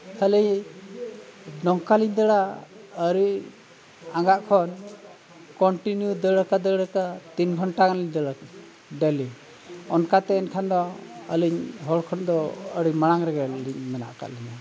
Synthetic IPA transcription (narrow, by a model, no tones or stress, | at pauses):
kʰalij | ɖɔŋkaliɲd̪əɽaəɾi | aŋɡaʔkʰɔn | kɔɳʈinjud̪əɽəkad̪əɽəkat̪inɡʱɔɳʈakanliɲd̪əɽa | ɖɛli | ɔnkat̪ɛɛnkʰand̪ɔəliɲɦɔɽkʰɔnd̪ɔəɾimaɽ̃aŋɾɛɡɛliɲ̚mɛna̰ʔka̰ʔliɲa